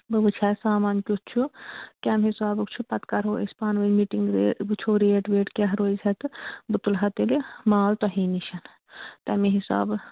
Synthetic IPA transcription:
bɨbɨt͡ʃʰɛsaːmaːnʲkʲut̪̚t͡ʃʰukʲɛmɦisaːbɨkt͡ʃʰupɐt̪kɐɾɦoːḭsʲpaːnʋɐnmiʈiŋɡɾeɨt͡ʃʰoɾeːʈʋeːʈkeɦɐɾoːizɐt̪ɨbɨt̪ulɦɐt̪elemaːlt̪ɔɦiːniʃɐn | t̪ɐmeɦisa̰ːb

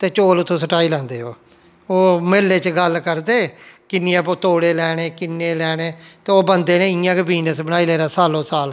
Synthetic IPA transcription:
t̪eːt͡ʃoːlʊt̪ʰːõːsəʈaːiːlãːnd̪eːɦo̰ː | oːmeːlːeːt͡ʃɡəlkəɾd̪eːkɪniãːpoːt̪oːɽeːlɛːɽeːkɪnːeːlɛːneːt̪eːoːbənd̪eːneːɪjãːkebiːnəsbəɽ̃aːiːleːɾaːsaːlõːsaːl

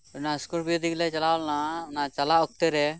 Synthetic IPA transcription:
ɔnaskuʈbiod̪iklɛt͡ʃalawlnanat͡ʃalaɔk̚t̪ɛɾɛ

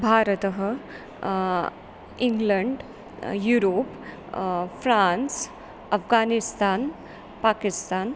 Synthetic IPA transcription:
bʱaːɾət̪əɦə | iŋɡləɳɖ | juːɾoːp | fɾans | ɐfɡaːnist̪aːn | paːkist̪aːn

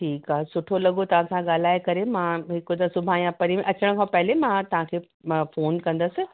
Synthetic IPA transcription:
ʈʰiːkaːɦesʊʈʰolɐɠot̪ɐʋ̤ãsãɠaːl̤aːekɐɾemãɦɪkod̪ɐsʊbʱãjãpɐɾimẽʔɐt͡ɕəɽ̃̆kʰãpɐɦɪlemãt̪ɐʋ̤ãkʰeː | foːnkɐ̃nd̪əsɪ̆

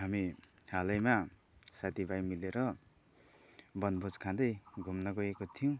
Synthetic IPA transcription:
ɦami | halʌjma | sat̪ʰibʱajmileɾʌ | bʌnbʱod͡zkʰãd̪ʌjɡʱumnʌɡʌekot̪ʰijõ

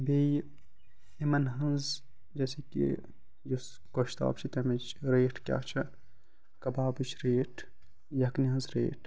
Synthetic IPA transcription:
be | imɐnɦɐ̃nz | d͡ʒɛːsekḭ | jus | koʃt̪a̰ːb̚t͡ʃʰit̪ɐmet͡ʃʰɾeːʈʰkʲja̰ːt͡ʃʰɐ | kɐbaːbɨt͡ʃʰɾeːʈʰ | jɐɐkniɦɐ̃nzɾḛːʈʰ

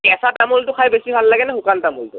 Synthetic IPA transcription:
ɛsatamultʊkʰajbesibʱalːaɡɛnɛxʊkantamultʊ̰

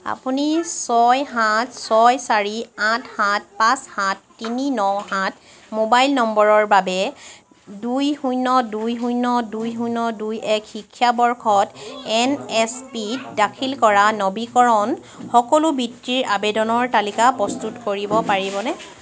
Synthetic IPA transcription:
a̰punisɔjɦatsɔjsaɹiãtʰhat̚pãshãtːininɔɦãt | mobajlnɔmbɔɹɔɹbabɛ | dujhujnɔdujɦujnɔdujɦujnɔdujɛkhikʰːjabɔɹkʰɔtɛnɛspidakʰilkɔɹanɔbikɔɹɔn | xɔkɔlʊbitːiɹabedɔnɔɹtalikapɹɔstutkoɹibɔpaɹibɔnɛ

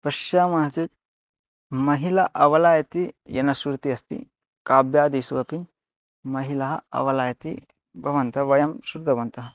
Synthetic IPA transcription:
pɐʃaːmɐɦɐt͡sit̪̚ | mɐɦilɐʔɐʋɐlaːjɐt̪ijɐ̰nɐsuɾt̪iɐst̪ḭ | kaːbjaːd̪iːsuʋɐpin | mɐɦilɐɦɐɐ̰ʋɐlaːjɐt̪i | bɐʋɐnt̪ɐʋɐjɐmsuɾd̪ɐʋɐnt̪ɐɦɐ

